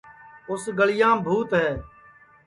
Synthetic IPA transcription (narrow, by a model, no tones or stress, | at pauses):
ʊsɡəɭɪjãːbʱuːt̪ɦɛː